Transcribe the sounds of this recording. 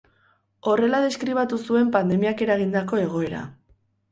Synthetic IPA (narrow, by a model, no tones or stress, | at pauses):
o̞re̞laðe̞skɾiβ̞at̪usue̞mpand̪e̞miake̞ɾaɣind̪ako̞e̞ɣ̞o̞e̞ɾa̰